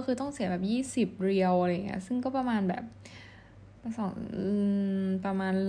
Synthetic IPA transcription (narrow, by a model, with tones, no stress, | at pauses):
kʰɯː˧t̪ɔ˥˩ŋsi˩˦bɛː˨˩p̚jiː˥˩si˨˩p̚ɾi˧əwʔa˧ɾa˧ja˨˩ŋːi˦˥ɐʔsɯ˥˩ŋkɔː˥˩pɾa˧maː˧nbɛ̰ː˨˩p̚ː | sɔː˩˦ŋɯː˧pɾa˧maː˧nl